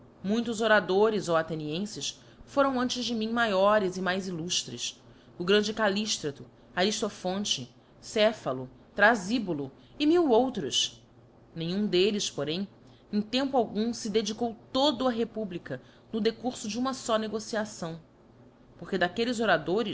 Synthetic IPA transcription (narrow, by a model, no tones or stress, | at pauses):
mũj̃t̪ʊzoɾad̪oɾɪzowat̪eniẽsɪs | foɾɐ̃w̃ɐ̃nt͡ʃɪzd͡ʒɪmĩɲmajɔɾɪzɪmajziluʃt̪ɾɪ̰s | ʊɡɾɐ̃nd͡ʒɪkaliʃt̪ɾɐt̪ʊ | aɾiʃt̪ofõnt͡ʃɪ | sɛfɐlʊ | t̪ɾazibulu | ɪmiwowt̪ɾʊs | nẽɲ̃ũd̪elɪspoɾẽj̃ | ẽj̃t̪ẽmpʊawɡũsɪd̪ed͡ʒikowt̪od̪ʊɐɦepublikɐ | nʊd̪ekuɾsʊd͡ʒɪũmɐsɔneɡosiasɐ̃w̃ | poχked̪akelɪzoɾad̪oɾɪs